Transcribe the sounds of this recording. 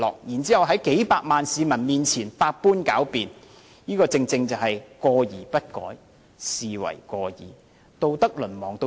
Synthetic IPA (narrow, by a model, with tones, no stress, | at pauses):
lɔ̰ː˨k̚jiː˨˩nt͡siː˨˥hɐ˨wɦɐ˨˥jke˨˥jpaː˧k̚maː˨˩nsiː˨˧mɐ˨˩nmiː˨nt͡sʰiː˨˩nfaː˧t̚puː˥nka̰ː˨˥wpiː˨˧n | jiː˥kɔː˧t͡sɪ˧ŋt͡sɪ˧ŋt͡sɐ˨whɐ˨jkɔː˧jiː˨˩pɐ˥t̚kɔ̰ː˨˥j | siː˨wɐ̰˨˩jkɔː˧jḭː˨˩ | t̪o˧wt̪ɐ˥k̚lɵ˨˩nmɔː˨˩ŋt̪o˧